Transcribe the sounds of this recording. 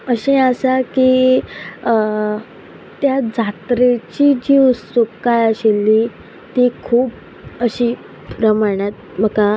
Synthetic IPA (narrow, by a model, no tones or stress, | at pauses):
əɕẽəsaki | t̪jad͡zʱat̪ɾet͡ɕid͡ʑiust̪ukkajəɕelːi | t̪ikʰuːp | əɕiː | ɾəmaɳjat̪̚ | m̤əka